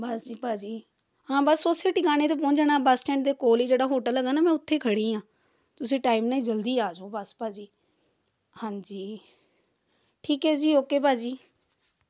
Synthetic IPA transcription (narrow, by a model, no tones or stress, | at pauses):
bəsd͡ʒiːpaːd͡ʒiː | ɦãːbəsːoːseːʈikaːneːt̪eːp̬ɔ̃ːd͡ʒnaːbəsʈɛ̃ːɳʈ̚d̪eːkoːliːd͡ʒeːɽaːɦoːʈələɡaːnaːmɛ̃ːʊt̪ʰːeːkʰəɽĩːãː | t̪ʊsĩːʈaːimnaːĩːd͡ʒəld̪iːaːd͡ʒoːbəspaːd͡ʒiː | hãːɲd͡ʒiː | ʈʰiːkɦɛːd͡ʒiːoːkeːpaːd͡ʒiː